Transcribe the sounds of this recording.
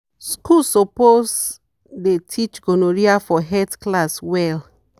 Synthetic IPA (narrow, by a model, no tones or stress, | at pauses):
skulsopos | detʰit͡ʃɡonoɹiafɔɦɛtklaswɛl